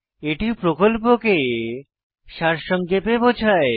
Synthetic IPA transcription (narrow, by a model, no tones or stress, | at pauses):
eʈipɾokolp̬oke | ʃaɾʃɔŋɡepebot͡ɕʰae